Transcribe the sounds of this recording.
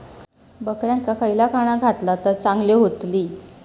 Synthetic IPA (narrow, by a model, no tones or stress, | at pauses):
bəkɾjãŋkakəjlakʰaɽ̃aɡʱat̪lat͡sət͡saŋɡleɦot̪liː